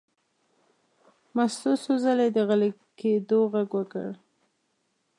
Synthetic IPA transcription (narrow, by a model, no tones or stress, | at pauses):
mast̪osozaled̪əɣale | ked̪oɣaɡwəkə̰ɽ